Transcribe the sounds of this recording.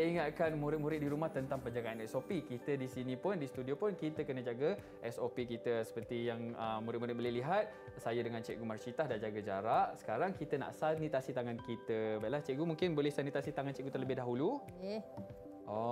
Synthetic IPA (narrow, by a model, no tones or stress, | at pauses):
siŋat̪̚kanmũɾɪt̪̚mũɾɪt̪̚diɾumaht̪ənt̪aŋpəɲd͡ʒaɡaanɛsopikit̪ədisinĩpʊndisət̪udiopʊnkit̪əkənəd͡ʒaɡə | ʔɛsopikit̪əsə̥pərt̪ijaŋəmuɾɪt̪muɾɪt̪̚bolɛhliɦat̪̚ | sajədəŋant͡ʃɛ̰ʔk̚ɡumart͡ʃit̪ahdand͡ʒaɡəd͡ʒaɾaʔsə̥kaɾaŋkit̪əna̰ʔsanit̪asit̪aŋankit̪əbajʔlaht͡ʃɛk̚ɡumũŋkɪnbolɛhsanit̪asit̪aŋant͡ʃɛʔ̚ɡut̪ərləbɪhdaɦulu | jɛ | ʔɔ